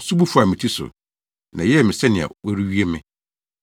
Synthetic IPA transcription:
su˦bu˦fu˦a˨mɪ̃˨tʰi˦sʊ̰˨ | nã˨jɛ˦˨mɪ̃˨sɛ˦nɪ̃˨a̰˨wɔ˦ɾi˦ɥi˦e˦mɪ̰̃˦

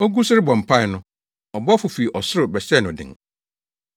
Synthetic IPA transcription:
ɔ˦ɡu˦sʊ˦ɾɪ˦bɔ̃˨m̩˨pʰa˦ɪ˨nʊ̃˦ | ɔ˨bɔ˦fʊ˨fi˨i˨ʔɔ˨sʊ˦ɾʊ˨bɛ˨ɕɛ˦˨nʊ̃˨dɪ̰̃˨ŋ

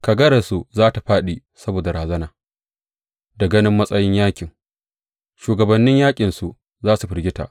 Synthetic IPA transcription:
ka˨ɡɐ˦ɾa˨su˨zaː˦ta˨ɸaː˦ɗi˨ | sɐ˦boː˨da˨ɾaː˨zɐ˦naː˨ | dɐ˨ɡɐ˦nɪ˦mːɐ˦sʼɐ˦jɪ˦ɲjaː˦kʲʼɪ˨ŋ | ʃuː˨ɡɐ˨bɐ˨nːɪ˦ɲjaː˦kʲʼɪ˨nsu˨ | zaː˦su˨ɸɪ˨ɾɡʲɪ˦ta̰˨ʔ

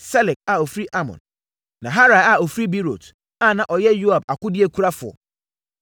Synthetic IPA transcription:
sɛ˦lɛ˨k̚a˨o˨fi˦ʔa˦mɔ̰̃˨n | nã˨ɦa˦ɾa˨a˨o˨fɾi˦bi˦ɾo̰˨t | a˦˨nã˨ʔɔ˨jɛ˦jo˦a˨ba˨kʊ˦dɪ˦ɛ˦kʷʰu˦ɾa˦fʊ˨ɔ̰˨

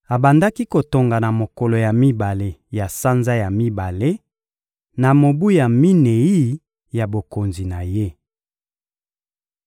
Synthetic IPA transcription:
a˨ba˨nda˦ki˦ko˨to˨ŋɡa˨na˨mo˨ko˨lo˨ja˨mi˦ba˨le˦ja˨sa˦nza˦ja˨mi˦ba˨le˦ | na˨mo˨bu˦ja˨mi˦ne˨i˦ | ja˨bo˨ko˨nzi˨na˨je˦

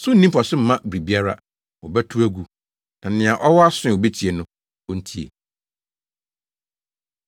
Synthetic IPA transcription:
sʊ˦n̩˦˨nĩ˦m˦pɔ˨sʊ̃˦m̩˨mã˦bɾi˨bi˦a˦ɾa̰˦ | wɔ˨bæ˦tʰu˦æ˦ɡu˨ | nã˨nɪ̃˨ã˨ʔɔ˦wɔ˦a˦sʊ̃˦ɪ˨wɔ˨be˦tʰi˨e˨nʊ̃˦ | ɔ̃˦n̩˦tʰi˦ḛ˨

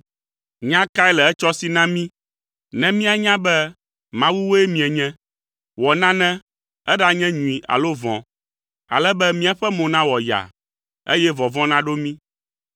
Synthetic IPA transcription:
ɲã˦ka˦ɛ˦lɛ˨ɛ˦t͡ʃɔ˦si˦nã˦mĩ˦ | nɛ̃˦mĩ˦a˦ɲã˦bɛ˦ | mã˦wu˦wo˦ɛ˦mĩ˨ɛ˨ɲɛ̃˦ | wɔ˨nã˦nɛ̃˦ | ɛ˦ɖa˨ɲɛ̃˦ɲũ˨i˨ʔa̰˨lo˦vɔ̃˨ | a̰˨lɛ˦bɛ˦mĩ˦a˨ɸɛ˦mõ˨nã˦wɔ˨ja̰˨ | ḛ˦jɛ˦vɔ̃˨vɔ̃˦nã˦ɖo˦mĩ˦

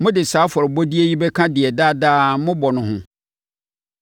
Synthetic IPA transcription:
mʊ̃˦dɪ˨saː˨˦fɔ˨ɾɪ˨bɔ˦di˦e˦ji˦bɛ˦kʰã˦dɪ˨ɛ˨daː˦daː˦mʊ̃˦bɔ˨nʊ̃˨hʊ̃˦

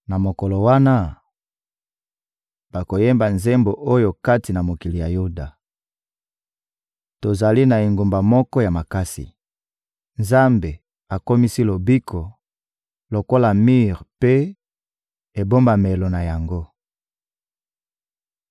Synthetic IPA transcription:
na˨mo˨ko˨lo˨wa˦na˦ | b̥a˨ko˨je˦mba˨nze˦mbo˨ʔo˦jo˨ka˦ti˨na˨mo˨ki˨li˨ja˨ju˦da˨ | to˨za˨li˦na˨e˨ŋɡo˨mba˨mɔ˦kɔ˦ja˨ma˨ka˦sḭ˨ | nza˦mbe˨ | a˨ko˦mi˦si˦lo˨bi˦kʰo˨ | lo˨ko˦la˨mi˦ʁpe˦ | e˨bo˦mba˨me˨lo˨na˨ja˨ŋɡo˦

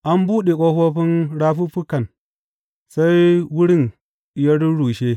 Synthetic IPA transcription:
ʔa˦mbu˦ɗi˨kʼo˦ho˦ɸi˦nɾa˦ɸu˦ɸu˦kːa˨n | sa˦ji˦wu˦ɾi˦˨n | i˨ja˦ɾu˦ɽu˨ʃe˦

